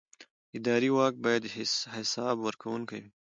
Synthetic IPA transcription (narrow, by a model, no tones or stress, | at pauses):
ɪd̪ɑɾiwɑk̚bɑjad̪ɪhɪsɑbwəɾkawunkawi